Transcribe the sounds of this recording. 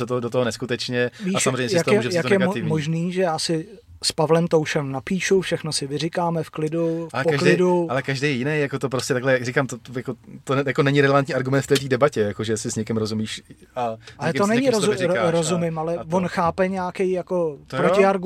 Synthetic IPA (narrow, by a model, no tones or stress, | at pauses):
sɛt̪odot̪oɦonɛskut̪ɛt͡ʃɲɛviːsʃamzrejɲɛjsjat̪ɛʒɛjak̪t̪kjɛɡaɪvɲmoʒniːʒɛjaːsɪ | spavlɛmt̪owʃɛmnapiːʃufʃɛxnosɪvɪrɪkaːmɛfklɪdufalɛpoklɪdualɛkaʒdejjɪnejjakot̪op̬ɾoscɛt̪aɡlɛakrikaːmt̪ojakot̪ojakonɛɲɪɾɛlɛvant̪ɲiːaɾɡumɛnt̪ft̪ɛːt̪iːdɛbacɛjakoʒɛsɪsɲɛkɪmɾozumiːʃ | aalɛonɛɲɪɾozɾozumɪmʔalɛvonxaːpɛɲakɛjjako̞t̪pɾocɪaɾɡ